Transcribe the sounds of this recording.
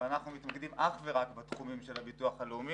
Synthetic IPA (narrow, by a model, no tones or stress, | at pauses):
anaχnumit̪maɡedimʔaχveʁakbet̪χumimʃelabituaχhaleumi